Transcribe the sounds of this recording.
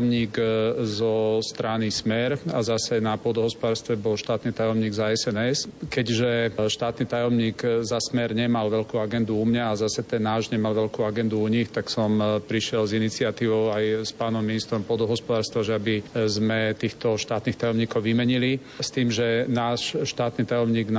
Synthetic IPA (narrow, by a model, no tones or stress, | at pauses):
mɲiːɡzɔst̪ɾanismɛɾazasɛnapɔd̪ɔɦɔspɔd̪aːɾst̪ʋɛbɔlʃt̪aːt̪nit̪ajɔmɲiːɡzaɛsɛnɛskɛɟʒɛʃt̪aːt̪nit̪ajɔmɲiːɡzasmɛɾɲɛmalʋɛʎkuaɡɛnd̪uumɲaazasɛt̪ɛnːaːʒɲɛmalʋɛʎkuaɡɛnd̪uuɲixt̪aksɔmpɾiʃɪɛlzinit͡sɪat̪iːʋɔʊajspaːnɔmːinist̪ɾɔmpɔd̪ɔɦɔspɔd̪aːɾst̪ʋaʒɛabizmɛt̪iːxt̪ɔʃt̪aːt̪nixt̪ajɔmɲiːkɔʊʋimɛɲili | st̪iːmʒɛnaːʃʃt̪aːt̪niːt̪ajɔmɲiːɡn